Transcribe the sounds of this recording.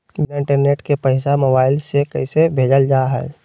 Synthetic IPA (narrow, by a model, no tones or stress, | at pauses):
mɪ̃ɳʈəɾneːʈkepəɪsamoːbaːɪlsekəɦɪsebʱeːd͡ʒəld͡ʒaːɦɛ̰ː